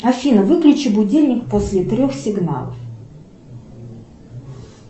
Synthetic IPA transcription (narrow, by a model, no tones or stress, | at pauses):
ɐfʲinəvɨklʲʉt͡ɕɪbʊdʲelʲnʲɪkposʲlʲɪt̪ɾʲoxsʲɪɡna̰lˠə̰f